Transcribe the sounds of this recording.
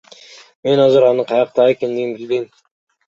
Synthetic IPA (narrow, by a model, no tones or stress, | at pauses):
menɑzəɾɑnəqʰɑjɑq̚t̪ɑekʲend̪eɡɪnbɪlbej